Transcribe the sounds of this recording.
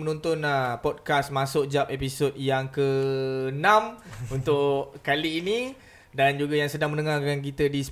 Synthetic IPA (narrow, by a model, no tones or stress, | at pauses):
mənɔnt̪ʊnəpɔd̚kasmasʊʔd͡ʒap̚episot̚jaŋkənãmunt̪ʊʔkaliːni | dand͡ʒuɡajaŋsədaŋmənəŋakank̬it̪ədis